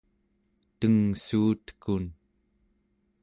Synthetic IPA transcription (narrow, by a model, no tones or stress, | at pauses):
t̪əŋsuːt̪ə̥kun